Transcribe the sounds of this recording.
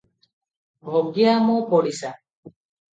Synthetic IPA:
bʱɔɡiamɔpɔɽisa

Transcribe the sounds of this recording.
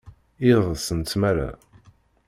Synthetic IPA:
iðˤəsənt̪mæɾa̰

